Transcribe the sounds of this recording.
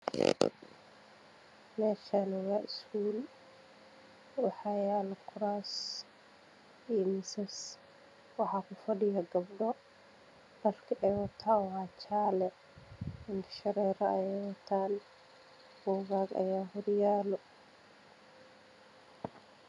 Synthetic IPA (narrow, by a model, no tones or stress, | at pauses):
mɛːʃanɪwaʔskuːl | wɑħajaːlɐkʰʊɾaːs | imɪsɐs | wɑħakʊfɐɖɪjɐɡɐbɖɔ | bɐlkʰɪʔɛwɐt̪ʰːaːwaːt͡ʃaːlɛ | ɪnd̪ɪ̥ʃɐɾɛːɾɐɐjɛwɐt̪ʰːaːn | bɔːɣaːɡɐ̰jaːɦʊɾɪjaːlɔ